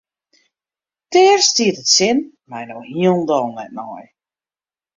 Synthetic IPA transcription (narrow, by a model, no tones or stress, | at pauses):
tɛərstiətətsɪn | majnowhiəlˠndɔːnɛ̰t̚nɔj